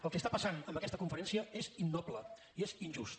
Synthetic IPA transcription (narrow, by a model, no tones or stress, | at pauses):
əlˠkest̪apəsanəmbəkɛst̪əkuɱfəɾɛnsiəezinːɔblə | iezinʲʒust̪